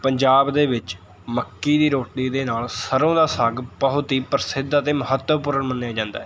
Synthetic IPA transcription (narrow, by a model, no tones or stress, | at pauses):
pəɲd͡ʒaːbd̪eːʋɪt͡ʃ | məkːiːd̪iːɾoːʈːiːd̪eːnaːlsəɾõːd̪aːsəɡpəɦʊt̪iːpəɾsɪd̪aːt̪eːməɦət̪ːəpuːɾənmənːejaːd͡ʒãːnd̪a̰ːɛ